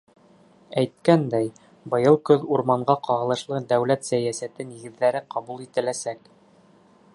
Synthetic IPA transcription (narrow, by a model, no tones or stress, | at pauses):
æjt̪̚kænd̪æj | bɤ̆jɤlˠkɵðuɾmɑɴɢɑqɑʁɤ̆lˠɤ̆ʃlˠɤd̪æwlæt̪sæjæsæt̪ɘniɡɘ̆ðːæɾɘqɑβulˠit̪ɘ̆læsæk